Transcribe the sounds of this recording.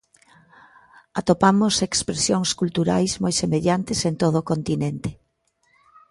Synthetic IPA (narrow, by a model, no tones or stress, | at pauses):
at̪opamosekspɾesjoŋskult̪uɾajsmojsemeʎant̪esent̪oð̞oːkont̪inent̪ɪ̥